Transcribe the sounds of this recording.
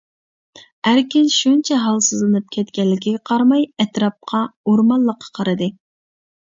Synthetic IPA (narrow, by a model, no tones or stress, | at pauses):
æɾkʲɪnʃunt͡ʃʰɛɦɑlˠsɨzlˠɨnɨp̚kʲʰɛt̪kʲɛlːɪkʲiɡʲɛqʰɑɾmɑjɛt̪ɾɑp̚qʰɑoɾmɑlˠːəqʰːɑ̥qʰɑɾɨd̪ɨ